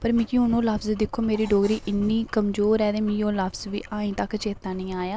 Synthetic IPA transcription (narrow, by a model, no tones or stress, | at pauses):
pəɾmĩːkĩʊnõːləpʰzd̪ɪkʰːoːmeːɾiːɖoːɡɾiːʔɪnːiːkəmzoːɾɛːd̪eːmĩːoːləpʰzʋḭːʔaːĩːt̪əkt͡ʃeːt̪ːaːnəĩːaːjaː